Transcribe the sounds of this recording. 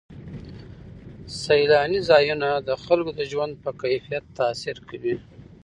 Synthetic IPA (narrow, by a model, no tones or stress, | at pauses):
sajlɑnizɑjunad̪əxalkod̪əʒwand̪̚pəkajfijat̪ːasiɾkʰawi